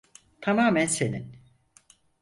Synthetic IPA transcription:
t̪ʰamaːmænse̞nin

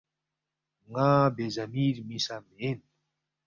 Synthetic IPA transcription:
ŋabezamiɾmisameen

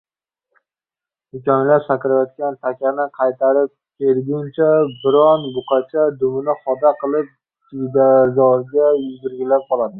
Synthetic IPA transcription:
d̪ʊkʲɒnlapsakʲɾajɒt̪̚kʲant̪ʰakʲanɪqʰɑjt̪ʰaɾɪp̚kʲʰelɡʲʊnt͡ʃʰabɪɾɒnbʊqʰɑt͡ʃʰad̪ʊmʊnɪχɒd̪aqʰɨlˠɪp̚ | d͡ʒʊd̪azɒɾɡʲajʊzɡʲɪɾɡʲɪlap̚qɒlˠad̪ɪ

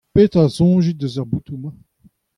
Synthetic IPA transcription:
pet̪azɔ̃ʒid̪əzaʁbut̪umã

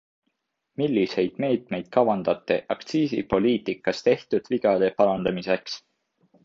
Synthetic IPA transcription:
milːise̞jd̪̥me̞ːt̪me̞jd̪̥̚kɑwɑnd̪̥ɑt̪ːˑe̞ʔɑkt̪siːsḭpo̞liːt̪ˑikːˑɑst̪e̞ht̪ud̪̥viɡ̥ɑd̪e̞pɑlɑnd̪ɑmise̞ks

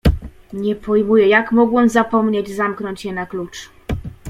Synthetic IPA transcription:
ɲɛpɔjmujɛjakmɔɡwɛmzapɔmɲed͡ʑzamknɔɲt͡ɕjɛnaklut͡ʂ

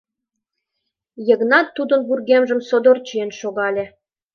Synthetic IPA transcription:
jə̆ɣnɑt̪ːud̪ə̆nburɣemʒə̆msod̪ort͡ɕijenʃoɣɑlʲĕ

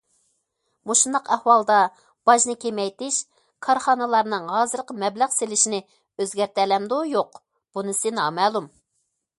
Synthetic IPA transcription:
moʃund̪ɑqɛhwɑlˠd̪ɑ | b̥ɑʃnɨkʲʰemɛjt̪ɪʃ | kʰɑɾχɑnɨlˠɑɾnɨŋɦɑːzɨɾqəmɛblæʁselɪʃinɪ | øzɡʲɛɾt̪ɛlɛmd̪ujoq | b̥unɨsɪnɑːmɛːlˠum

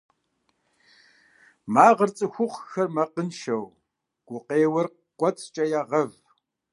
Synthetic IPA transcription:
maːʁərt͡sʼɨxʷʊqʷxɐrmɐqənʃɐw | ɡ̥ʷʊqeːwɐr | qʷʼɔt͡sʼt͡ʃʼɐjaːʁɐv

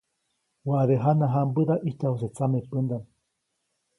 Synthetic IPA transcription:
waðeɦanaɦambɨðaʔiht̪ahos̬et͡samepɨnd̪an

